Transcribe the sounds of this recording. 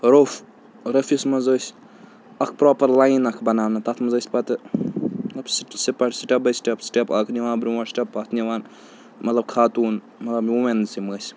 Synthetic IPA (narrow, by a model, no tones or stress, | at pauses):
ɾof | ɾɐfismɐzəːsʲ | ɐk̚ʰpɾoːpɐɾlajnɐkʰbɐnaːmnɐt̪ɐt̪ʰmɐzəːsʲpɐt̪ɨmɐt̪ɐbsʈsipɐʈsiʈɐbɐsʈɐpsʈʲɐpɐkniʋaːnbɾiwɐsʈʲɐpːɐt̪ʰnʲiʋaːn | mɐt̪lɐb̚kʰaːt̪uːn | mɐt̪lɐbumensiməsʲ